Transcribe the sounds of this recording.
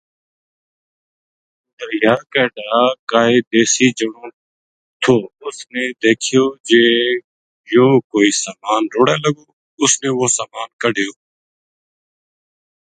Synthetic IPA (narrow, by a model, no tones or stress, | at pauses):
d̪əɾjaːkɛːʈaːkaːɦeːd̪eːsiːd͡ʒəɳõː | t̪ʰoːʊsneːd̪eːkʰɪjoːd͡ʒeː | joːkoːiːsaːmaːnɾoːɽẽːləɡoː | ʊsneːʋoːsaːmaːnkəɖʱɪjoː